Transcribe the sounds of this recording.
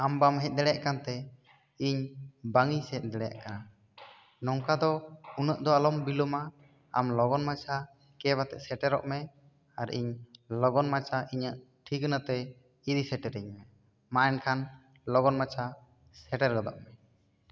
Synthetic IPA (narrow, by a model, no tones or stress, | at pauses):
ambamɦɛc̪̚ˀd̪ɛɽɛjaʔkant̪ɛ | iɲbaŋisɛc̪̚ˀd̪ɛɽɛja̰ʔkana | nɔŋkad̪ɔunəʔd̪ɔalɔmbilɔma | amlɔɡɔnmat͡ʃʰa | kɛβat̪ɛ̰ʔsɛʈɛɾɔʔmɛ | aɾḭɲlɔɡɔnmat͡ʃʰaʔiɲəʔ | ʈʰiknət̪ɛ | iɾisɛʈɛɾiɲmɛ | maʔɛnkʰan | lɔɡɔnmat͡ʃʰa | sɛʈɛɾɡɔd̪ɔʔmɛ